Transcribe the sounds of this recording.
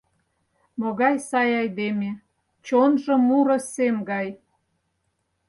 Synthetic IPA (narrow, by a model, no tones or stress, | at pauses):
moɣɑjsɑjɑjd̪eme | t͡ɕonʒɤ̆muɾŏsemɡɑj